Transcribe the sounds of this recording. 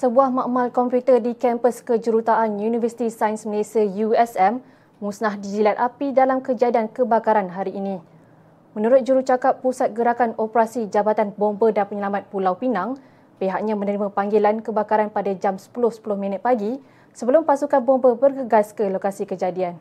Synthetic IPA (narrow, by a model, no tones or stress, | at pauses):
səbuahmãʔmalkɔmpjut̪ərdikɛmpəskəd͡ʒəɾut̪aʔanjunivəsi̥t̪isajnsməlesiəjuɛsɛm | mũsnahdizilat̪ʔapidalamkəd͡ʒadiankəbakaɾanɦaɾiʔːnĩ | mə̃nuɾʊt̪̚d͡ʒuɾut͡ʃakapːusat̪̚ɡəɾakanɔpɾasid͡ʒabat̪anbombədanpəɲəlamat̪̚pulawpinaŋ | peɦaʔ̚ɲãmə̃nəɾimãpaŋɡelankəbakaɾanpadad͡ʒamsə̥pulʊhsə̥pulʊhmĩnət̪̚paɡi | səbəlʊmpasukanbombəbərɡəɡaskəlokasikəd͡ʒadian